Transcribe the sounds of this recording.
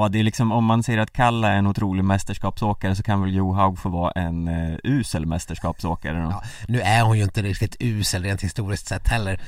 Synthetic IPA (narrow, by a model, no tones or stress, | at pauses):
ad̪ɛjəlɪksɔmɔmːansɛjːəɾat̪kʰalːaɛɾɛnʊt̪ʰɾuːlɪɡmɛst̪əʂkɑːpsoːkaɾəsɔkʰanvɛljuːɦaʊɡfoːvɑːa̰ʔɛnʉ̟ːsəlmɛst̪əʂkɑːpsoːkaɾənːnʉ̟ːæɾhʊnjɵɪnt̪əɾɪkt̪ɪt̪ʰʉ̟ːsəlɾeːnt̪hɪst̪uːɾɪskt̪sɛt̪ːhɛlːəɾ